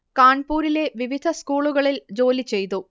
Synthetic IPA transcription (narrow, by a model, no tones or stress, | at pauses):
kaːɳpuːɾile̞ʋiʋid̪ʱɐskuːɭuɣɐɭild͡ʑo̞ːlit͡ɕe̞jt̪u